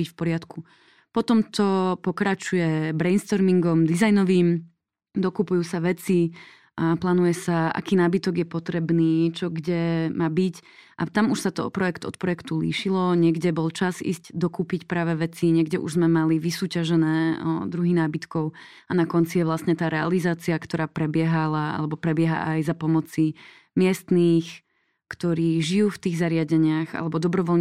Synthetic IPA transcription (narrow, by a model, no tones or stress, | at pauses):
icfpɔɾɪat̪ku | pɔt̪ɔmt̪ɔpɔkɾat͡ʃujɛbɾɛjnst̪ɔɾmiŋɡɔmd̪izajnɔʋiːm | d̪ɔkupujuːsaʋɛt͡si | plaːnujɛsaa̰kiːnaːbit̪ɔɡjɛpɔt̪ɾɛbniːt͡ʃɔɡɟɛmʔaːbicʔat̪amuʃsat̪ɔɔ̰pɾɔjɛkt̪ɔ̰t̪̚pɾɔjɛkt̪ulḭːʃilɔɲɪɛɡɟɛbɔlt͡ʃazḭːzɟd̪ɔkuːpicpɾaːʋɛʋɛt͡siɲɛɡɟɛʔṵʒzmɛmaliʋisuːcaʒɛnɛːd̪ɾuɦinaːbit̪kɔʊ | anakɔnt͡sijɛʋlasɲɛt̪aːɾɛa̰lizaːt͡siakt̪ɔɾaːpɾɛbɪɛɦalaa̰lɛbɔpɾɛbɪɛɦa̰ʔajzapɔmɔt͡si | mɪɛst̪niːx | kt̪ɔɾiːʒijuːft̪iːɣzaɾɪaɟɛɲɪaxa̰lɛbɔd̪ɔbɾɔʋɔlɲ